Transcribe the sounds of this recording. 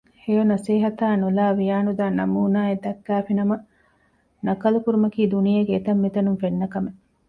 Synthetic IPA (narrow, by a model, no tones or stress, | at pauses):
hejonɐseːɦɐt̪aːnulaːʋijaːnud̪aːnɐ̰muːnaːed̪ɐkːæːfinɐmɐ | nɐkɐlukuɾumɐkiːd̪unijeɡeet̪ɐmːit̪ɐnunfenːɐkɐme